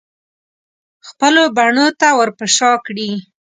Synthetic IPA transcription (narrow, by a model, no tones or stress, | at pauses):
xpəlobaɳot̪awəɾpəʃɑkɽi